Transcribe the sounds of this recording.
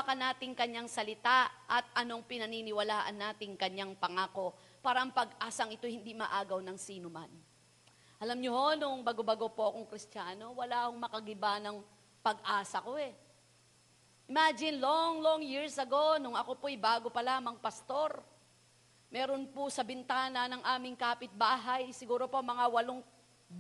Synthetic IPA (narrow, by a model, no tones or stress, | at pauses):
akɐnaːt̪ɪŋkɐɲːaŋsɐlɪt̪aʔɐt̪̚ʔɐno̞ŋpɪnɐniːnɪwɐlaːʔɐnːaːt̪ɪŋkɐɲaŋpɐŋaːko̞ | paːɾɐʔɐŋpɐɡʔaːsɐŋɪt̪o̞jhɪnd̪imɐʔaːɡɐwnɐŋsiːnoma̰n | ʔɐlamɲoho̞nʊŋbɐɡobɐɡo̞poʔɐkoŋkɾɪst͡ʃaːno̞wɐlaːhoŋmɐkɐɡɪbanɐŋ | pɐɡʔaːsɐko̞ɛ | ʔɪmaːd͡ʒɪnloŋloŋjiɹsɐɡownʊŋɐko̞pojbaːɡo̞pɐlamɐŋpɐst̪o̞ɾ | mɛːɾo̞nposɐbɪnt̪aːnɐnɐŋʔaːmɪŋkaːpɪt̪̚baːɦɐjsɪɡuːɾo̞pomɐŋawɐloŋ